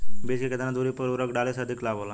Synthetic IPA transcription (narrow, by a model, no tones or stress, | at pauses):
biskiked̪anãd̪uɾipəɾuɾəkɖaːleseːd̪ʱiklaːbolaː